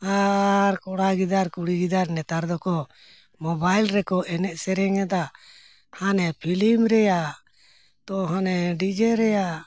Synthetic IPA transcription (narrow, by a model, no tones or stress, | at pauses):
aɾkɔɽaɡid̪aɾkuɽiɡid̪aɾnɛt̪aɾd̪ɔkɔ | mɔbajlɾɛkɔʔɛnɛʔ̚sɛɾɛŋɛd̪a | hanɛpʰilimɾɛja | t̪ɔɦanɛɖid͡ʒɛɾɛja